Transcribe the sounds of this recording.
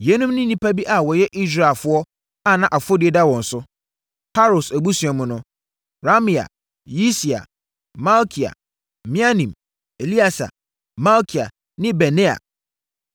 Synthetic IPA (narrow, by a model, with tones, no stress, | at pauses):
jɛ˦nũ˦mnĩ˦nĩ˦pʰa˦bi˦ʔa˨wɔ˨jɛ˦ʔi˦s̬ɾa˨lfʊ˦ɔ˦ | a˨nã˨ʔa˨fo˦di˨ɛ˦da˦wɔ̃˨n̩˨sʊ˦ | pʰa˦ɾo˨sæ˨bu˦si˨ɛ˨mʊ̃˦nʊ̃˦ | ɾa˦mĩ˨a̰˨ | ji˦si˨a̰˨ | ma˦lkʰi˨a̰˨ | mĩ˦a˦nĩ˨m | e˨li˦a˨sa̰˨ | ma˦lkʰi˨a̰˨ | nɪ̃˦bɛ˨nẽ˦a̰˨